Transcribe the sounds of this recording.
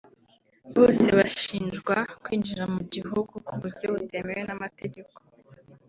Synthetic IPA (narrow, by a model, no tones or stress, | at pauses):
βo̞ːseβaʃiːnd͡ʒɡwakwiːnd͡ʒiɾamuɟihuɡukuβuɾɟo̞βute̞mewenamate̞ɟe̞ko̞̥